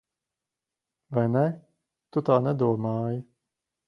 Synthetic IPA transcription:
vajnɛ | t̪ut̪aːnɛd̪uɔmaːji

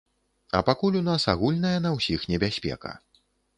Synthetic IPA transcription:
ɐ̰pakulʲunasaɣulʲnɐjɐnɐwsʲixnʲɛbʲasʲpʲɛ̰kɐ̰

